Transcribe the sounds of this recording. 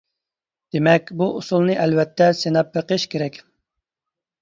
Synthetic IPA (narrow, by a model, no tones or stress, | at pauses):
d̪̥emɛkʲbuʔusulˠnɨʔɛlvɛt̪ʰːɛsenɑpːəqʰɨʃkʲʰeɾɛkʲ